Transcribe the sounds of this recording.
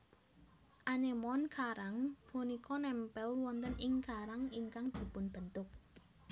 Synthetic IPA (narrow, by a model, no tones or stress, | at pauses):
ʔanemɔnkʰaɾaŋb̥onikʰɔnɛmpɛlwɔnt̪əniŋkaɾaŋiŋkaŋd̪̥i̤pʊnb̥ənt̪ʊk̚